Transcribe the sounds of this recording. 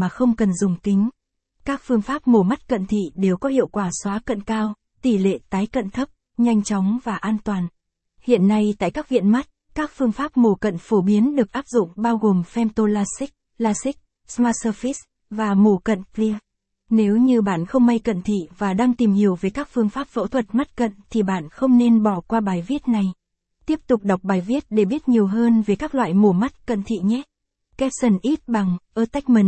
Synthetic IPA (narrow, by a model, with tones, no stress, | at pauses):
maː˨˩xə˧wŋ͡mkə˨˩nzʊ˨˩ŋ͡mk̪ï˨˦ŋ̟ | kaː˦˥k̚fɨ˧əŋfaː˦˥p̚mo˨˩ma˦˥t̚kə̰˧˨nt̪ʰḭ˧˨ɗe˨˩wkɔ˨˦hḭ˧˨əwkwaː˧˩swaː˨˦kə̰˧˨nkaː˧w | t̪i˧˩lḛ˧˨t̪aː˨˦jkə̰˧˨nt̪ʰə˦˥p̚ | ɲa˧jŋ̟t͡ɕɔ˨˦wŋ͡mvaː˨˩ʔaː˧nt̪waː˨˩n | hḭ˧˨ənːa˧jt̪a̰ː˧˨jkaː˦˥k̚vḭ˧˨ənma˦˥t̚ | kaː˦˥k̚fɨ˧əŋfaː˦˥p̚mo˨˩kə̰˧˨nfo˧˩ɓi˨˦ənɗɨ˨˩ək̚ʔaː˦˥p̚zʊ̰˧˨ŋ͡mɓaː˧wɣo˨˩mfɛ˧mt̪o˧laː˧si˦˥k̚ | laː˧si˦˥k̚ | smaː˧˥t̚səː˧fi˦˥s | vaː˨˩mu˨˧˩kə̰˧˨nkli˧ | ne˨˦wɲɨ˧ɓaː˧˩nxə˧wŋ͡mma˧jkə̰˧˨nt̪ʰḭ˧˨vaː˨˩ɗaː˧ŋt̪i˨˩mhi˨˩əwve˨˩jkaː˦˥k̚fɨ˧əŋfaː˦˥p̚fə̰˧˥t̪ʰwə˨˩t̚ma˦˥t̚kə̰˧˨nt̪ʰi˨˩ɓa̰ː˧˩nxə˧wŋ͡mne˧nɓɔ˧˩kwaː˧ɓaː˨˩jvi˦˥ət̚na˨˩j | t̪i˦˥əp̚t̪ʊ˨˩k͡p̚ɗa˨˩wk͡p̚ɓaː˨˩jvi˦˥ət̚ɗe˧˩ɓi˦˥ət̚ɲi˨˩əwɦəː˧nve˨˩jkaː˦˥k̚lwa̰ː˧˨jmu˨˧˩əma˦˥t̚kə̰˧˨nt̪ʰḭ˧˨ɲɛ˦˥ | kɛ˦˥p̚sə˨˧˩nʔi˦˥t̚ɓa˨˩ŋʔəː˧t̪a˦˥jk̟̚mi˨˩n